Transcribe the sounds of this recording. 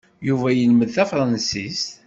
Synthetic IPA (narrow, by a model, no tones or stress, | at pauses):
juvæjəlməðθæfɾˤənsist̪